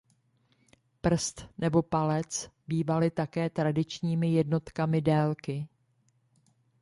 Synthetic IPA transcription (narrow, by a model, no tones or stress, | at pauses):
pr̩st̪nɛbo̞palɛt͡sbiːvalɪt̪akɛːt̪ɾadɪt͡ʃɲiːmɪjɛdno̞t̪kamɪdɛːlkɪ